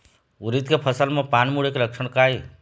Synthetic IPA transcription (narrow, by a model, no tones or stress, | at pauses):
uɾit̪̚kepʰəsəlmãpanmuɽekeləkʃʰəɽ̃kaj